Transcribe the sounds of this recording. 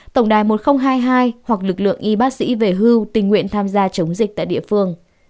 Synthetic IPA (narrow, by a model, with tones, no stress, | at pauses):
t̪ə˧˩wŋ͡mɗaː˨˩jmo˨˩t̚xə˧wŋ͡mɦaː˧jɦaː˧jhwa˨˩k̚lɨ˨˩k̚lɨ̰˧˨əŋʔi˧ɓaː˦˥k̚sḭ˧˥ve˨˩ɦɨ˧wt̪ï˨˩ŋ̟ːwḭ˧˨ənt̪ʰaː˧mzaː˧t͡ɕə˨˦wŋ͡mzi̟˨˩t̪a̰ː˧˨jɗḭ˧˨əfɨ˧əŋ